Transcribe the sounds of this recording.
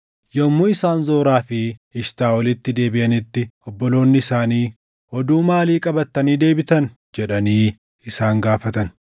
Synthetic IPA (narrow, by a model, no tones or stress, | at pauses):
jɔmːuːɪsaːnzoːɾaːfɪɪʃt̪aːwɔlɪt̪ːɪd̪e̞ːbɪʔɐnɪt̪ːɪɔbːɔlo̞ːnːɪɪsaːniː | hɔd̪uːmaːliːkʼɐbɐt̪ːɐniːd̪e̞ːbɪt̪ɐn | d͡ʒɛᶑɐniː | ɪsaːŋɡaːfɐt̪ɐn